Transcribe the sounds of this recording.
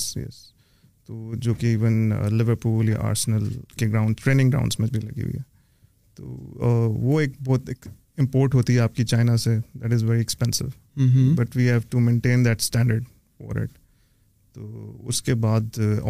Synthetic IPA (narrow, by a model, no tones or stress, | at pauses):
jɛ̰s | t̪oːd͡ʒoːkiiːʋənlɪʋəɾpuːlja̰ʔa̰ːɾsnəlkeɡɾãʊ̃ɳɖsʈɾeːnɪ̃ŋɡɾa̰ʊ̃ɳɖsmẽd͡ʒbʱilɐ̰ɡḭɦṵḭɦɛ | t̪o̰ːʋoeːk̚bɔːt̪ɪk | ɪ̃mpoːɾʈɦoːt̪iɦɛaːp̚kit͡ʃaːɪnased̪æʈɪzʋɛɾiɛkspɛ̃nsɪ̰ʋ | bɐʈʋiːɦɛːʋʈumẽːɳʈẽːnd̪ɛʈsʈɛ̃ːɳɖəɾɖ | fɔ̰ːɾɪ̰ʈ | t̪oːʊ̰skebaːd̪